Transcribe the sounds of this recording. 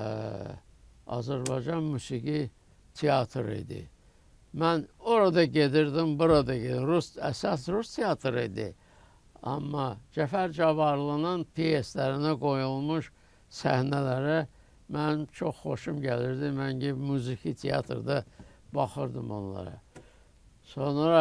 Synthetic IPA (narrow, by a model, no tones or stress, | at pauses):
ɑ̰zæɾbɑjd͡ʒɑnmusiɡi | t̪ʰeɑt̪ʰɾḭd̪ḭ | mæno̞ɾɑd̪ɑɟe̞d̪iɾd̪imbuɾɑd̪ɑɟe̞d̪iɾusæ̰sɑsɾust̪ʰeɑt̪ʰɾid̪ḭ | ɑ̰mːɑd͡ʒæfæɾd͡ʒɑvɑɾlˠɑnɑnpʰieslæɾinæɡo̞julˠmuʃ | sæ̰hnælæɾæ | mænt͡ʃʰo̞χːo̞ʃumɟæliɾd̪imænɟimuzikʰit̪ʰeɑ̰t̪ʰɾd̪ɑ | b̥ɑχɯɾd̪ɯmonlˠɑ̰ɾɑ̰ | so̞nɾɑ